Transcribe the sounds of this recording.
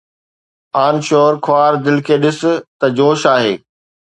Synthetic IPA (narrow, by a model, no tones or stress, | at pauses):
aːnʃoːɾkʰʊaːɾd̪ɪlkʰeːɗɪsʊ̆t̪ɐd͡ʑoːʃaːɦḛː